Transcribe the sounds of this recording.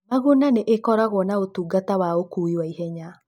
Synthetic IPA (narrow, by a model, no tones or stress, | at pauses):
maɣunaneʔekɔɾaɣwɔnaotuːɡatawaokuiwaiɦɛɲa